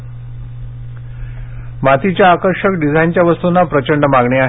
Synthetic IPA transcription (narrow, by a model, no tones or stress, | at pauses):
mat̪ʰit͡ɕjaːkəɾʂəkɖid͡zʱant͡ɕjaʋəst̪unapɾət͡ɕəɳɖmaɡɳeaɦ